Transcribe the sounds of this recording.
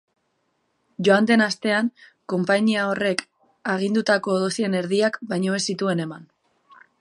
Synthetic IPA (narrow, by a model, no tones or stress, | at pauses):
ʝo̞and̪e̞nast̪e̞aŋko̞mpaɲiao̞re̞k | aɣ̞ind̪ut̪ako̞ːðo̞sie̞ne̞ɾðiakbajɲo̞e̞sit̪ue̞ne̞man